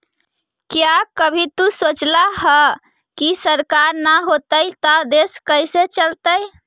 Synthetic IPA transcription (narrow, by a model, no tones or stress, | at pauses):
kjakəbʱit̪usot͡ʃlaɦə | kisəɾkaɾnaɦot̪əjt̪ad̪eskəjset͡ʃəlt̪əj